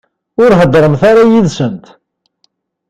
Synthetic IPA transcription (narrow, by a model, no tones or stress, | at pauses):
ʊɾɦəd̪ɾˤəmθaɾajiðsənt̪